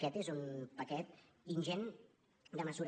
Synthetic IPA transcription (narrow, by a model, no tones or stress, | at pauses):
ɛt̪ezunpəkɛt̪ | inʲʒɛn | d̪əməzuɾ